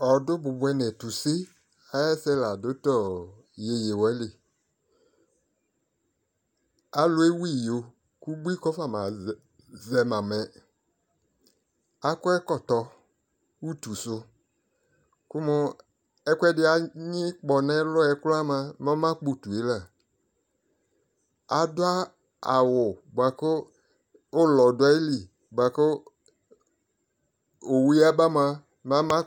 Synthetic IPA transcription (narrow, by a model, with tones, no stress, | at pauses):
ɔ˨dʊ˦bʊ˨bʊ˨˦ɛ˨nɛ̃˨tu˨sɪ˦ | a˨˦jɛ˦sɛ˦la˨dʊ˦tɔ˦˨ | je˨je˨wɛ˦lɪ˨ | a˨lʊ˦e˦wi˦˨jo˨ | ku˦bi˦kɔ˦fa˨ma˨ | zɛ˨mã˨mɛ̃˨ | a˦kɔ˦ɛ˦kɔ˨tɔ˨ | u˦tu˨sʊ˦ | kʊ˦mʊ˦ | ɛ˦kʷɛ˦dɪ˦a˦ɲɪ˦k͡pɔ˨nɛ˦lʊ˦ɛ˨˦kla˦mã˦ma˦mã˦k͡po˨tu˨e˨˦la˦˨ | a˨dʊ˦a˦ | a˨wʊ˨ba˨kʊ˦ | ʊ˦lɔ˨dʊ˨˦a˦li˨ | ba˨kʊ˦ | o˨wi˦a˦ba˦mã˦ | mã˦mã˦